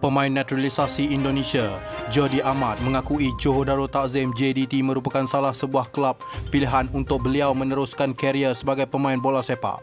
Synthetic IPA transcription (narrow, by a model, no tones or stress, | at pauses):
pəmãɪnːat̪ɾalisasiindonẽsiad͡ʒɔdiʔamat̪̚mə̃ŋakuid͡ʒoɦodaɾot̪aʔzɛmd͡ʒedit̪imə̃ɾupakansalahsəbuahkəlap̚ːiliɦanunt̪ʊk̚bəliawmə̃nəɾʊskankəɾiəsəbaɡajpəmãɪnbolasepa̰ʔ